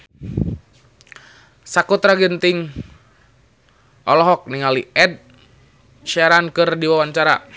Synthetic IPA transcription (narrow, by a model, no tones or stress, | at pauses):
sakut̪ɾaɡənt̪iŋ | ʔɔlɔɦɔk̚niŋalḭɛd̚ | ʃɛɾankɨrdiwawaɲt͡ʃaɾa̰